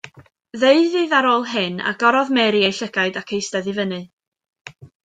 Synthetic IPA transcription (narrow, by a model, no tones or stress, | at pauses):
ðeɨðiːðaɾoːlˠɦɨna̰ɡɔɾɔðmɛɾiejɬəɡaɨdakʰejstɛðɨvənɨ